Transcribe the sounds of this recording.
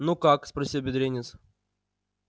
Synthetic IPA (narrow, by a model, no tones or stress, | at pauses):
nukakspɾɐsʲilˠbʲɪd̪ɾʲenʲɪs